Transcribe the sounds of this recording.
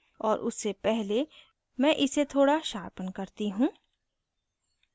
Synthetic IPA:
ɔːɾʔʊ̰sːepɛɦle | mɛ̃ːʔɪset̪ʰoːɽaʃaːɾpənkɐɾt̪iɦũː

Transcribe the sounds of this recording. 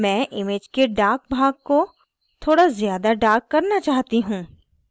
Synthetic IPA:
mɛ̃ːʔɪmeːd͡ʒkeɖaːk̚bʱaːɡ̚ko | t̪ʰoːɽazjaːd̪aɖaːkːɐɾnat͡ʃaːɦt̪iɦũː

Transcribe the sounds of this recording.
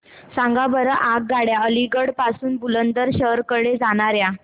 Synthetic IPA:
sãŋɡabəɾaʔak̚ɡaɽjaəliɡəɽpasuːnbulənd̪əɾɕəɾkəɽed͡zaɽ̃aɾja

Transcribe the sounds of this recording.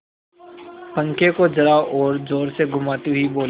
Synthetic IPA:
pɐ̃ŋkekod͡ʒɐɾaʔɔːɾd͡ʒoːɾseɡʊmaːt̪iɦiboːl

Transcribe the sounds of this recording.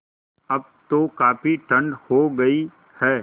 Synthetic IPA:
ɐb̚ | t̪okaːpiʈʰɐ̃ɳɖhoɡɐi | hɛː

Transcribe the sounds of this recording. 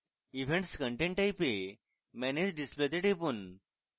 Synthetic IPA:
iʋʱeɳʈskəɳʈẽɳʈajpe | mɛned͡ʑɖisplet̪eʈepun

